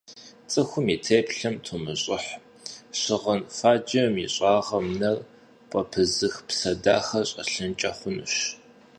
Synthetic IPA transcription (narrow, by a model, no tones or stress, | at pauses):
t͡sʼɨxʷʊmitʰeːpɬɐmtʰomɨɕʼɪħ | ɕɪʁɐnfaːd͡ʒɐmḭɕʼɑːʁɐmnɐr | pʼɐpʰɨzɨxpsɐdaːxɐɕʼɐ̰ɬɨnt͡ʃʼɐχʷʊnɨ̰ɕ